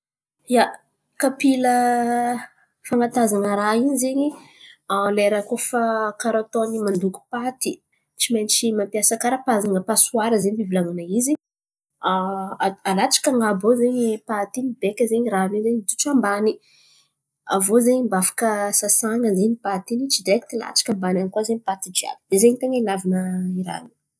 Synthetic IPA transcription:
ja | kapilə | faŋat̪azanəɾainizeɲialeɾəkofəkaɾat̪onimand̪uku̥pat̪i | t͡simajnt͡ʃimampiasakaɾəpazaŋəpasuaɾəzeɲbibilaŋanaizi | alat͡ʃḁkaŋabozeɲipat̪inibekʲəzeɲiɾanizeɲit̪u̥ʈ͡ʂambani | avozeɲimbafḁkəsasaŋɡəzenipat̪init͡ʃid̪eki̥t̪ila̰t͡ʃḁkʲambanankuazeɲipat̪id͡ʒia̰kd̪̥ezeɲit̪eŋəilavinəiɾa̰nu̥

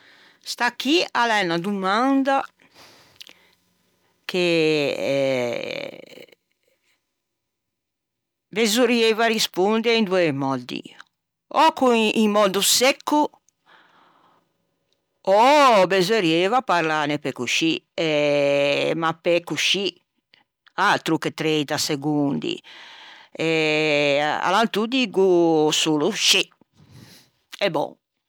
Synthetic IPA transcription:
st̪akːialɛnːad̪umand̪a | kʰe | bezuɾjevarispund̪ɛɾind̪uɛmɔd̪ḭ | ɔkːuimmɔd̪usɛkːu | ɔbɛzɔɾievapaɾlaːnɛpɛkːuʃiɛ | mapɛkːuʃi | at̪ɾukːɛt̪ɾet̪asɛɡund̪ḭ | ɛ | a̰lant̪ud̪iɡusuːluʃi | ɛbɔ̰

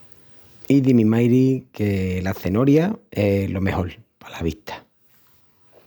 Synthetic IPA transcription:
iðimĩmajɾikelaθe̞noɾjae̞lo̞meho̞lpḁlaβit̪ʰḁ

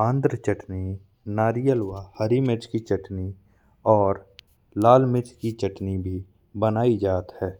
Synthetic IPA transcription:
ãːnd̪ɾət͡ʃəʈni | naːɾijəlwahəɾimɪʈkit͡ʃəʈni | ɔːɾ | laːlmɪt̪kit͡ʃəʈnibʱi | bənaːid͡ʒaːt̪hɛː

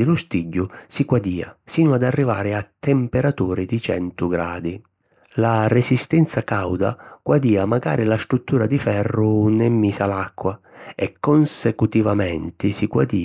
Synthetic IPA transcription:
ɪlʊst̪iɟːʊsiɡwad̪iːa̰siːnʊad̪arːivaːɾɪat̪ːɛmpɛɾat̪uːɾɪd̪it͡ʃɛ̰nt̪ʊɡɾaːd̪i | laresist̪ɛnt̪sakawd̪a̰ɡ̥wad̪iːamaɡa̰ːɾɪlast̪ɾut̪ːuːɾad̪ifɛrːʊnɛmːiːsalakːwa | ɛkːonsekut̪ivamɛnt̪ɪsiɡwa̰d̪iː

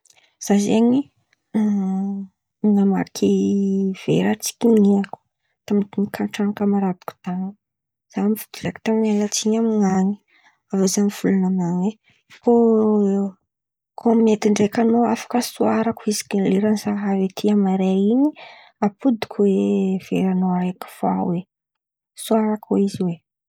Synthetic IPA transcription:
z̥azeɲi | iŋama̰kʰiv̥ḛɾat͡si̥kʲiniaku̥ | t̪amit̪inikʰaɳʈ͡ʂaŋakamaɾad̪i̥ku̥t̪aŋ | z̥amivud̪ileaki̥t̪aminalat͡siɲamŋaɲi̥ | avazamiv̥ulunamaŋe | ko | kʰomimet̪iɳɖ͡ʐekanoafḁkəsuaɾakuizi̥kileɾanisaɦavet̪ʰiamaɾeiɲi | apud̪i̥kuwev̥ḛɾanoaɾeku̥fa̰we | suaɾakoiziwe

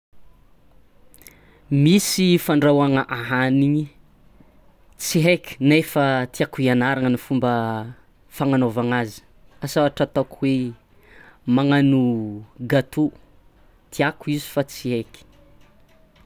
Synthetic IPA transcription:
misifaɳɖ͡ʐawaŋəʔaɦaniɲi | t͡siɦeki̥nefat̪iakuianaɾaŋənifumbə | faŋanovaŋazi̥ | asawaʈ͡ʂat̪okuwe | maŋanuɡat̪u | t̪iakuizi̥fat͡siɦeki̥

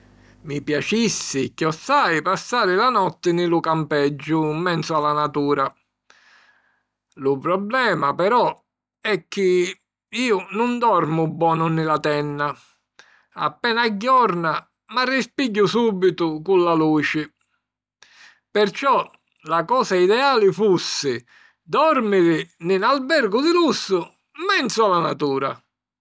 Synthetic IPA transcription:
mipjat͡ʃisːɪkjɔsːajpasːaːɾɪlanɔt̪ːɪnɪlukampɛd͡ʒːʊmːɛnt̪sʊalːanat̪uːɾa | lʊpɾɔblɛːmapɛɾɔ | ɛk̟ːɪ | iːʊnʊnd̪ɔɾmʊbːɔːnʊnɪlat̪ɛnːa | a̰pːɛːnaɟːɔɾna | marːispiɟːʊsuːbit̪ʊkulːaluːt͡ʃɪ | pɪɾt͡ʃɔ | lakɔːsaid̪ɛaːlɪfusːɪ | d̪ɔɾmɪɾɪnɪnalbɛɾɡʊd̪ɪlusːʊ | mɛnsualanat̪uːɾa

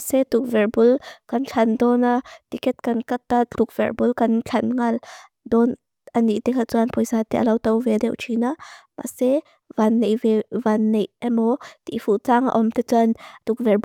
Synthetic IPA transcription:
sɛt̪uk̚vɛrbulkɐnt͡ɬʰɐnd̪ɔnat̪ikɛt̪̚kɐnkɐt̪ːat͡ɬʰuk̚v̥ɛ̰rbulkɐnt͡ɬʰɐnŋɐl | d̪ɔn | ʔɐniʔt̪ɛkʰat͡suanpɔjzaːt̪ɛʔalɐwt̪ɐwvɛdɛwʔt͡ʃʰinama̰se | vanːejvɛvanːejʔɛmɔt̪ḭfut͡saːŋa̰ʔɔmt̪et͡sɐnt̪uk̚vɛrb

